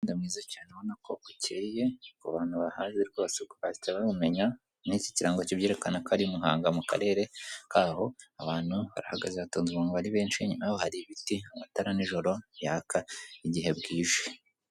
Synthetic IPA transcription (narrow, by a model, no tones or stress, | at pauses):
ndimŋiːzacaːneβo̞nako̞kuceːje̞kuβaːn̥huβahaːzeɾɡo̞βsekuβaitaβaβume̞ɲa | nici̥ciɾaːŋɡocibje̞ːɾe̞kanakaɾiumuɦa̰ːŋɡamuka̰ɾe̞ːɾe̞kʰaːho̞aβaːn̥huβa̰ɾahaɡaʒeβatoːnziβaːŋɡaβaɾiβeːnʃiɲumajohaɾiβitiamataɾaniʒo̞ɾo̞jakʰaiɟiɦe̞bɡiːʒwe